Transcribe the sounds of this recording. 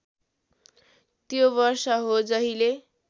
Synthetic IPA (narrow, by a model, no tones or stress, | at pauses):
t̪joβʌrsʌɦod͡zʌɦile